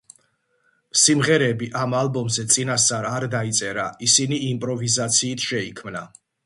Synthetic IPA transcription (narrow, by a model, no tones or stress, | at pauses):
msimʁɛɾɛbiʔamalˠbɔmzɛt̪sʼinast̪sʼaɾaɾd̪ait̪sʼɛɾaisiniːmpʼɾɔvizat̪sʰiːt̪ʰʃɛikʰmna